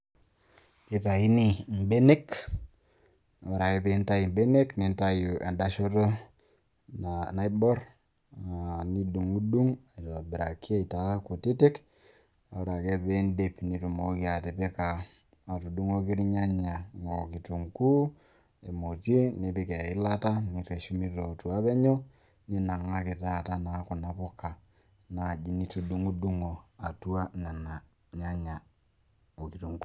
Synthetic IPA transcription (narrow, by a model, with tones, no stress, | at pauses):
ki˦ta˨i˦ni˦˨mbe˦ne˦k | a˨o˦ɾa˨ke˦pe˦nta˦ji˨mbe˦ne˦kni˨nta˦ju˨ʔa̰˨da˦ʃo˦to˦ | nana˦i˦bo˦ɾ | a˨ni˦du˨ŋu˦du˦ŋa˨i˨to˨bi˨ɾa˨kːi˦a˦i˨ta˨˦ku˨ti˦te˦k | a˨o˦ɾa˨ke˦pe˦nde˨pni˨˦tu˨mo˨˦ki˨a˨te˨pe˦kaː˨ | tu˨du˦ŋo˦ki˦ɾi˦ɲa˦ɲa˨ŋo˨ki˨tu˨ŋku˦ | e˨mo˨t͡ʃi˦ne˨pi˨kɛ˨ɪ˦la˦ta˦ni˨te˨ʃu˦mi˦to˨tu˨a˦pɛ˦ɲo˦ | ni˦na˨ŋa˦kɪ˨ta˦˨ta˦na˦ku˨na˦pɔ˦ka˨ | na˨d͡ʒi˦ni˦tu˨du˦ŋu˦du˦ŋo˨a˨tu˦a˦na˨na˨ | ɲa˦ɲa˨ | o˨ki˨tu˨ŋku̥˦